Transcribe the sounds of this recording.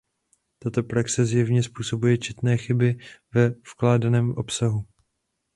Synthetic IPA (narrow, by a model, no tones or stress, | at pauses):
t̪at̪o̞pɾaksɛzjɛvɲɛspuːso̞bujɛt͡ʃɛt̪nɛːxɪbɪvɛfklaːdanɛːmʔo̞psaɦu